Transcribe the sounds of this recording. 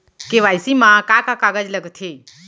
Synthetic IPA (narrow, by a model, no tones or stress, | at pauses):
keʋajsimãkakakaɡəd͡ʒləɡt̪ʰeː